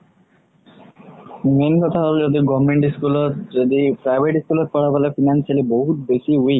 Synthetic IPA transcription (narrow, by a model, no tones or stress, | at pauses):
menkɔt̪ʰaɦɔld͡ʒɔd̪iɡɔbmeɳʈiskulɔtd͡ʒɔd̪ipɾajbʱeʈiskulɔt̪̚pɔɽabɔlefinansialiboɦut̪besiuij